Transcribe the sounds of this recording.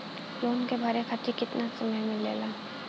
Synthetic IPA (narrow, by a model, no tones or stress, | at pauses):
loːnkebʱɐɾekʰat̪ʰikɪt̪nasʊməmɪleːlaː